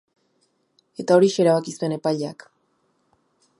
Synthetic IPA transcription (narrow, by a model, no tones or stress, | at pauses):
e̞t̪ao̞ɾiʃeɾaβakisue̞ne̞paʎea̰k